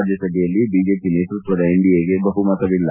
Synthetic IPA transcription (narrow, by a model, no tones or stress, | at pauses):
d̪jɐsɐɡɛjɐlːibiːd͡ʒeːpineːt̪ɾut̪ʋɐd̪ɐiɳɖijeːɡebɐɦumɐt̪ɐʋilːɐ